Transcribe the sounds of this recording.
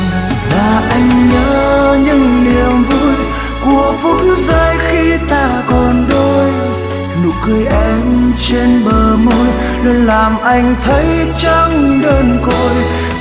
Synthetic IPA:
laː˨˩ʔa˧jŋ̟ɲə̰ː˧˦ɲɨ̰˧˥ŋni˨˩əmvu˧˥j | ku˨˩əvʊ˧˨˥nzəː˧jxi˧t̪aː˧˩kɔ˨˩nɗo˧j | nu˨˩˦k̚kɨ˧əjʔɛ˧mt͡ɕe˧nɓəː˨˩mo˧j | lu˧nlaː˨˩mʔa˧jŋ̟t̪ʰə˨˦jt͡ɕɔ˧ŋ͡mɗəː˧˩nko˧˩j

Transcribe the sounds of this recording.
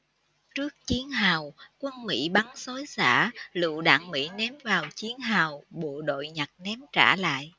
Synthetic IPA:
t͡ɕɨ˦˥ək̚t͡ɕi˨˦ənɦaː˨˩wkwə˧nmḭ˧˥ɓa˨˦ŋso˨˦jzaː˧˥lṵ˧˨ɗa̰ː˧˨˥ŋmḭ˧˥nɛ˨˦mvaː˨˩wt͡ɕi˨˦ənɦaː˨˩wɓo̰˧˨ɗo̰˧˨jɲa˨˩t̚nɛ˨˦mt͡ɕa̰ː˧˩la̰ː˧˨jʔ

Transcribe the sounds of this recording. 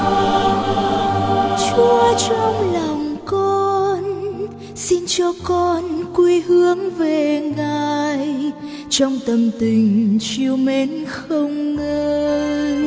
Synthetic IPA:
t͡ɕu˧˦t͡ɕɔ˧wŋ͡mlɔ˨˩wŋ͡mkɔ˧n | si˧nt͡ɕɔ˧kɔ˧nkwi˧hɨ˨˦əŋve˨˩ŋaː˨˩j | t͡ɕɔ˧wŋ͡mt̪ə˨˩mt̪ï˨˩ŋ̟t͡ɕi˧əwme˨˦nxə˧wŋ͡mːəː˧j

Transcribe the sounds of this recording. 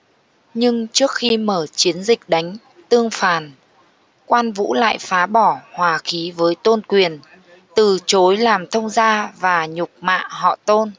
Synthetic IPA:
ɲɨ˧ŋt͡ɕɨ˦˥ək̚xi˧məː˧˩t͡ɕi˨˦ənzï˨˩k̟̚ɗa˨˦jŋ̟ | t̪ɨ˧əŋfaː˨˩n | kwaː˧nvṵ˧˥la̰ː˧˨jfaː˨˦ɓɔ˧˩hwaː˨˩xi˨˦vəː˨˦jt̪o˧nkwi˨˩ən | t̪ɨ˨˩t͡ɕo˨˦jlaː˨˩mt̪ʰə˧wŋ͡mzaː˧vaː˨˩ɲʊ˨˩k͡p̚ma̰ː˧˨hɔ̰˧˨t̪o˧n

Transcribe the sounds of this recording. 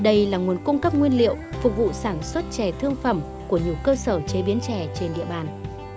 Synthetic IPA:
ɗə˧jlaː˨˩ŋu˨˩ənkʊ˧ŋ͡mkə˦˥p̚ŋwi˧ənlḭ˧˨əwfʊ˨˩k̚vṵ˧˨saː˧˩nswə˦˥t̚t͡ɕɛ˨˩t̪ʰɨ˧əŋfə˧˩m | ku˧˩əɲi˨˩əwkəː˧səː˧˩t͡ɕe˨˦ɓi˨˦ənt͡ɕɛ˧˩t͡ɕe˧nɗḭ˧˨əɓaː˨˩n

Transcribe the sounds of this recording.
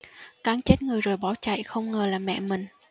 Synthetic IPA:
kaː˨˦ŋt͡ɕe˦˥t̚ŋɨ˨˩əjzo˨˩jɓɔ˨˦wt͡ɕa̰˧˨jxə˧wŋ͡mŋəː˨˩laː˨˩mːɛ̰˧˨mï˨˩ŋ̟

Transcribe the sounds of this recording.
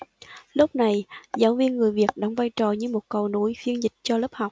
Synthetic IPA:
lʊ˦˥k͡p̚na˨˩jzaː˨˦wvi˧ənŋɨ˨˩əjvi˨˩ək̚ɗa˨˦wŋ͡mvaː˧jt͡ɕɔ˨˩ɲɨ˧mo˨˩t̚kə˨˩wnu˧˦jfi˧ənzï˨˩k̟̚t͡ɕɔ˧ləː˦˥p̚ha˨˩wk͡p̚

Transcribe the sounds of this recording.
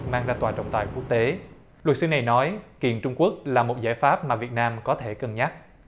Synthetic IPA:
maː˧ŋzaː˧t̪waː˨˩t͡ɕə̰˧˨wŋ͡mt̪aː˨˩jku˦˥ək̚t̪e˨˦ | lwə˨˩t̚sɨ˨˧na˨˩jnɔ˨˦jki˨˩ənt͡ɕʊ˧ŋ͡mku˦˥ək̚laː˨˩mo˨˩t̚zaː˧˥˩jfaː˦˥p̚maː˨˩vi˨˩ət̚naː˧mkɔ˨˦t̪ʰe˧˩kə˨˩nɲa˦˥k̚

